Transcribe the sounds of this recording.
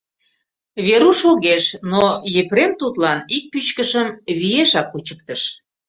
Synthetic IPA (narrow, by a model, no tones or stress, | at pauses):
βeɾuʃoɣeʃnojepɾemt̪ut̪lɑnik̚pyt͡ɕkəʃəmβijeʃɑkːut͡ɕək̚t̪əʃ